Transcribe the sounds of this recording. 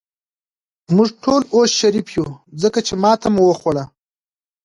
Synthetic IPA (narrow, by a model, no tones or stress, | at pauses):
mʊʐʈʰolosʃaɾifjuzəkat͡ʃemɑt̪ʰamwəxwəla